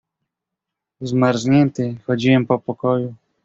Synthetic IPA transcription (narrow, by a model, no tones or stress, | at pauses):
zmaɾʒɲɛnt̪ɘxɔd͡ʑiwɛmpɔpɔkɔju